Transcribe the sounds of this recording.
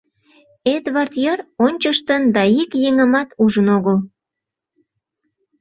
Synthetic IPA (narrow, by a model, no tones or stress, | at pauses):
ed̪βɑrt̪jɑronʲt͡ɕəʃt̪ənd̪ɑikjeŋəmɑt̪uʒənoɣəl